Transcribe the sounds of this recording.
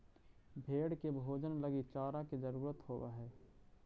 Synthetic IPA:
bʱeːɽkebʱoːd͡ʒənləɡit͡ʃaːɾaked͡ʒəɾuːɾət̪hoːwa̰ɦɛː

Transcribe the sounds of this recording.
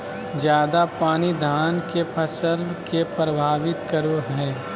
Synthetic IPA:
d͡ʒjaːd̪apaːnid̪ʱaːnkepʰɐsəlkepɾɐbʱaːʋɪt̪kɐɾoɦɛː

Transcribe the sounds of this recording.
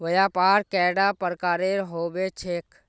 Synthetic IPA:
ʋəjapaːɾkɛːɖapəɾkaːɾeɾɦoːbet͡ʃʰeːk

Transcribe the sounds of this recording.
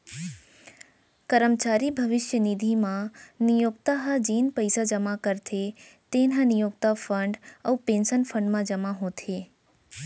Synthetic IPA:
kəɾəmt͡ʃaɾibʱəʋɪʃjənid̪ʱimãnijokt̪aɦad͡ʒiːnpəjsad͡ʒəmakəɾt̪ʰet̪enɦanijok̚t̪afəɳɖəupẽnsənpfʰə̃ɳɖmãd͡ʒəmaɦot̪ʰe

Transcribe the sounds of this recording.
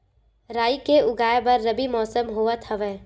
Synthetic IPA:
ɾaːikeʊɡaːjebɐɾːɐbimɔːsəmɦoːət̪ʰɐʋeː

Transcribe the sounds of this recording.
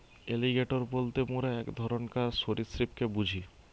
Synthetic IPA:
eliɡeʈoɾbolt̪emoɾeɛkd̪ʱɔɾonkaɾsoɾisɾip̚kebud͡ʑʱi

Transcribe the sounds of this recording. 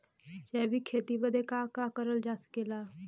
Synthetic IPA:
t͡ʃɛːbʱikʰeːt̪ibəd̪ʱekakakəɾəld͡ʒaːsə̥keːlaː

